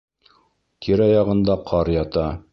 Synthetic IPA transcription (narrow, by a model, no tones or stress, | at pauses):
t̪ʰiɾɑjɑʁɤ̆nd̪ɑqʰɑɾjɑt̪ɑ